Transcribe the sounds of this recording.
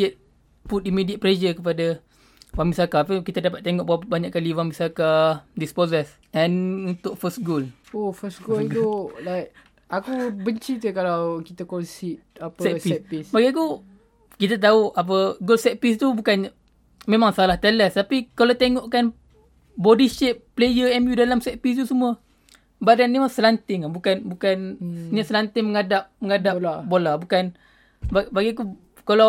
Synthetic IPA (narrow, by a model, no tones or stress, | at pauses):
ət̪̚ | put̪̚imidiət̪̚pled͡ʒəkəp̬ada | wamisakapəkit̪adapat̪̚ːeŋɔʔbawbaɲaʔkːaliwaŋmbisakadispozəs | ɛ̃nunt̪ʊk̚fəsɡolofəsɡolit̪ulak̚ | akubəɲt͡ʃit̪ukalawkit̪akɔnsit̪̚apsɛpiɛpisbaɡiku | kit̪at̪̬auap̬əɡolsɛʔ̚pist̪ubukan | mẽmaŋsalaht̪ɛləst̪apikalawt̪eŋɔʔkan | bodiʃɛʔ̚plejəɛmjudalamsɛʔ̚pist̪usumuə | badanːimasəlant̪ɪŋabukanbukannaʔsəlant̪ɪŋməŋadap̚məŋadalabolabukan | babaɡiaku | kala